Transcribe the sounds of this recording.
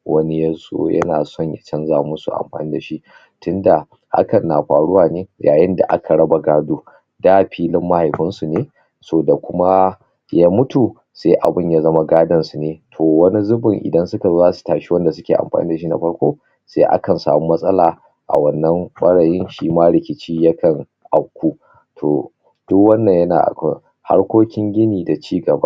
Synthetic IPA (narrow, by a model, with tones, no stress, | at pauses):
wɐ˦ni˦ja˦so̰ː˦jɐ̰˦na̰ː˨sɔ˦ɲjɐ˨t͡ʃɐ˦nzaː˨mʊ˦nsu˨ʔa̰˨mɸa̰ː˨niː˦da˨ʃi˦ʔ | tʊ˦nda˨ | ha̰˦kɐ˨nːaː˨ɸaː˨ɽʊ˦waː˨neː˦ja̰ː˨jɪ˦nda̰˨ʔa̰˦kʰa˨ɽɐ˦ba˨ɡaː˦duː˦ | daː˦ɸiː˦lɪ˦mːa˦ha˨jɸɪ˦nsu˨neː˦ | soː˦da˨kʷʊ˦ma˦ | ja˦mʊ˦tu˨ | seː˦ʔa̰˨bɪ˦ɲja˦zɐ˦ma˦ɡaː˦dɐ˦nsu˨neː˦tʰoː˨wɐ˦ni˦zʊ˦bʊ˨ŋʔɪ̰˨dɐ˦nsʊ˦ka˨zoː˦zaː˦su̥˨taː˨ʃi˦wɐ˦nda˨s̬ʊ˦kʲeː˨ʔa̰˨mɸa̰ː˨niː˦da˨ʃi˦na̰˨ɸɐ˦ɽkʷo̰ː˦ | sḛː˦ʔa̰˦kɐ˨nsa̰ː˨mu˦mɐ˦sʼɐ˦laː˨ | ʔa̰˨wɐ˨nːɐ˦mɓɐ˦ɽaː˨jɪ˦nʃi˦maː˦ɽɪ˨kʲɪ˦t͡ʃiː˦jɐ˦kʰɐ˨ŋ | ʔa˨kʷuː˦ | tʰoː˨ | d̥ʊ˦kwɐ˦nːɐ˨ɲjɐ˦na̰ː˨ʔa̰˨kʷɐ̰˦ŋ | ha̰˦ɽkʷoː˦kʲɪ˦ŋɡʲɪ˦niː˨da˨t͡ʃiː˦ɡɐ˨ba̰˦ʔ